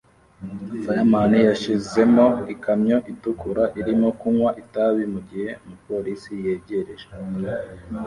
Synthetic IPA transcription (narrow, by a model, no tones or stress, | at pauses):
fajamanijaʃize̞mo̞ikamɲo̞ʔitukuɾaʔiɾimo̞kuŋwaʔitaβimuɟihe̞mupo̞ɾisije̞ɟe̞ɾeʒe